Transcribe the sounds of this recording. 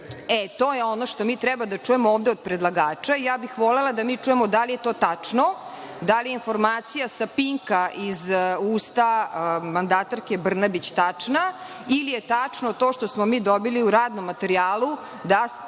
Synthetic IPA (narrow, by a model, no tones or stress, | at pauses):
ɛt̪oːjeonoʃt̪o̞miːt̪ɾɛbad̪at͡ʂujemooːvd̪eod̪̚pɾed̪lˠaɡaːt͡ʂaijaːbixʋolelˠad̪amiːt͡ʂuːjemod̪alije̞t̪o̞ːt̪at͡ʂno | d̪alijeinfoɾmaːt̪sijasapiŋkaʔizuːst̪amand̪at̪aɾke̞br̩nabit͡ɕt̪at͡ʂna | ilijet̪at͡ʂnot̪o̞ːʃt̪osmomiːd̪obiliuɾaːd̪nomːat̪eɾiaːlˠu | d̪a